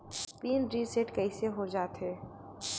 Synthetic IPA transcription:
piːnɾiseʈkɐiseɦod͡ʒaːt̪ɦeː

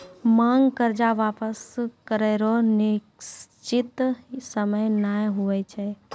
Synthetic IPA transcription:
mãːŋɡkəɾd͡ʒaʋaːpəskəɾeɾonɪ | st͡ʃɪt̪səməjnaːjɦʊʋət͡ʃʰɛ

